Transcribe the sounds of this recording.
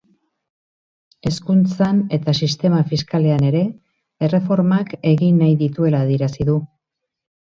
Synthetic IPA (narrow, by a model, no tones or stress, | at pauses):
e̞skunt͡sane̞t̪asist̪e̞mafiskale̞ane̞ɾe̞ | ere̞fo̞ɾmake̞ɣinːajðit̪ue̞laːðieɾasiðu